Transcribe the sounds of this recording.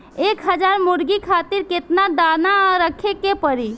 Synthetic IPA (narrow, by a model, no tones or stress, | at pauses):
ekɦəd͡ʒaɾmuɾɡikʰat̪iɾket̪nad̪anaɾəkʰekepəɾi